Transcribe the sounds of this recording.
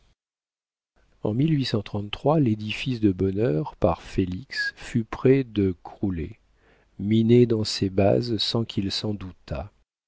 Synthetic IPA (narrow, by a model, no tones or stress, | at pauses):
ɑ̰̃milɥisɑ̃t̪χɑ̃t̪t̪ːχwaled̪ifisd̪əbɔnœʁpaʁfeliksfypχɛd̪əkχulḛ | mined̪ɑ̃seba̰zsɑ̃kʲʰilsɑ̃d̪ut̪ʰa̰